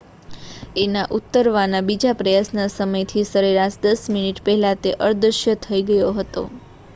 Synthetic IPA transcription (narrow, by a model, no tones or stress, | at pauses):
enaʔut̪ːəɾʋanabid͡ʒapɾəjasnasəməjt̪ʰisəɾeɾaʃd̪əsminiʈpɛɦɛlãt̪eʔəɾd̪ɾəʃjət̪ʰəiɡəjoɦət̪o̰